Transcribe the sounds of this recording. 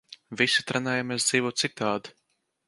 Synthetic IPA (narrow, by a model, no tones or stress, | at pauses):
visi̥t̪ɾanajamesd̪z̥iːvuːt̪sik̚t̪ːaːd̪